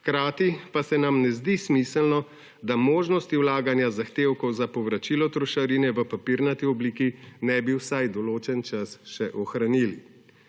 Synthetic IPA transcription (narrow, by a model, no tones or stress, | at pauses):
kɾaːt̪ipasɛnamnɛzd̪ismisəlnɔ | d̪amoːʒnɔst̪iwlaːɡanjazaxt̪eːwkɔwzapɔʋɾat͡ʃilɔt̪ɾɔʃaɾiːnɛʋəpapiɾnat̪iɔbliːkinɛbiwsajd̪ɔloːt͡ʃɛnt͡ʃasʃɛʔɔxɾanili